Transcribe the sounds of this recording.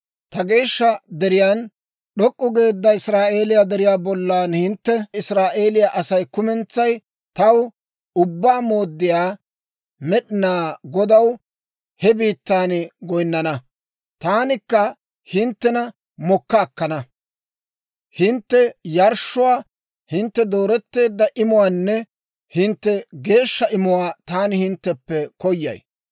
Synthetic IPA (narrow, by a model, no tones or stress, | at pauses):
t̪ɐɡe̞ːʃːɐd̪ɛɾɪjan | ɗɔkʼːʊɡe̞ːd̪ːɐɪsɾaːʔe̞ːlɪjaːd̪ɛɾɪjaːbɔlːaːnhɪnt̪ːɛɪsɾaːʔeːlɪjaʔɐsɐjkʊmɛnt͡sːɐj | t̪ɐw | ʊbːaːmo̞ːd̪ːɪjaː | mɛɗɪnaːɡɔd̪ɐw | hɛbiːt̪ːaːnɡɔjnːɐnɐ | t̪aːnɪkːɐ | hɪnt̪ːɛnɐ | mɔkːɐːkːɐnɐ | hɪnt̪ːɛjɐɾʃːʊwaː | hɪnt̪ːɛd̪o̞ːɾɛt̪ːe̞ːd̪ːɐʔɪmʊwaːnːɛ | hɪnt̪ːɛɡe̞ːʃːɐʔɪmʊwaːt̪aːnɪhɪnt̪ːɛpːɛkɔjːɐ̰j